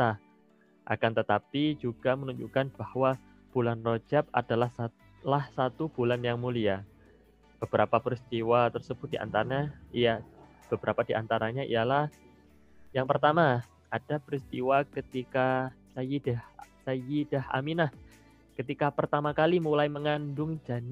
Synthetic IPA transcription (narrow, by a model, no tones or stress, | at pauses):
t̪a | ʔa̰kant̪ət̪apid͡ʒuɡ̥amənuɲd͡ʒukanb̥ahwa | b̥ulanrod͡ʒap̚a̰dalahsa | lahsat̪ub̥ulanjaŋmulia | b̥əb̥əɾapapɾist̪iwat̪ərsəb̥ʊt̪̚diʔa̰nt̪aɾaɲaija | b̥əbəɾapadiʔa̰nt̪aɾaɲaʔḭjalah | jaŋpərt̪ama | ad̥apɾist̪iwakət̪ikasajidahsajid̥aha̰minah | kət̪ikapərt̪amakalimulajməŋandʊŋd͡ʒan